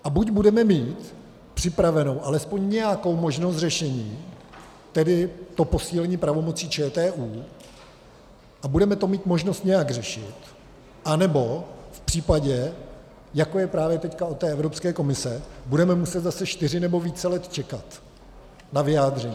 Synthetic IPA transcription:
ʔabuɟbudɛmɛmiːt̪ | pr̝̥ɪpɾavɛno̞wʔalɛspo̞ɲɲɛjako̞wmo̞ʒnos̬t̪rɛʃɛɲiː | t̪ɛdɪt̪o̞po̞siːlɛɲiːpɾavo̞mo̞t͡siːt͡ʃɛːt̪ɛːʔuː | ʔabudɛmɛt̪o̞miːt̪mo̞ʒnost̪ɲɛjaɡr̝ɛʃɪt̪ | ʔanɛbo̞fpr̥iːpaɟɛ | jako̞jɛpɾaːvjɛt̪ɛckaot̪ːɛːʔɛvɾo̞pskɛːko̞mɪsɛbudɛmɛmusɛt̪zasɛʃt̪ɪr̝ɪnɛbo̞viːt͡sɛlɛt̪t͡ʃɛkat̪ | navɪjaːd̪r̝ɛɲiː

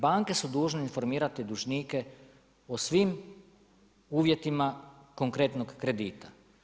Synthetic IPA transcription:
baŋke̞sud̪uːʒneinfo̞ɾmiːɾat̪id̪uʒnike̞ | osʋim | uːʋje̞t̪imako̞ŋkɾet̪noɡkɾe̞d̪iːt̪a

